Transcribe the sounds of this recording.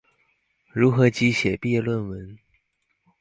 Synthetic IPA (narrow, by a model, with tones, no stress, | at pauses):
ɻu˨˥xɤ˧˥t͡ɕi˨˥ɕjɛ˨˩pɛ˥˧lwə˥˧˨nwə˧˦n